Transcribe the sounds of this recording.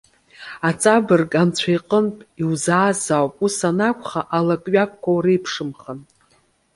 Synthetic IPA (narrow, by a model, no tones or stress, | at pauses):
at͡sʼabɨrɡʼant͡ɕʷʰajqʼənpʼiwzaːzawpʼusanakʷʰʼχaʔalakʼɥakʷʰkʷːawrejpʰʂɨmχən